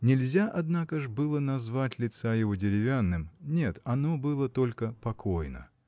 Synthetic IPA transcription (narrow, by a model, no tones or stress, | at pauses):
nʲɪlʲzʲaʔɐd̪nakəʐbɨlˠənɐzvatʲlʲɪt̪sajɪvo̞dʲɪɾʲɪvʲanːɨmnʲe̞t̪ɐno̞bɨlˠət̪o̞lʲkəpɐko̞jnə̰